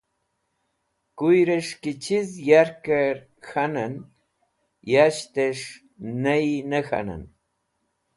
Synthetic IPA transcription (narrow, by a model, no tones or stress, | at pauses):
kʊjɾeʂkɪt͡ʃisjaɾkaɾ | xanan | jaʃt̪eʂ | najnəxa̰na̰n